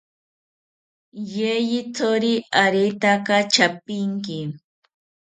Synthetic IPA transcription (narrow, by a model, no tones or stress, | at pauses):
jejɪt͡soɾɪaɾijt̪akat͡ʃapɪŋkɪ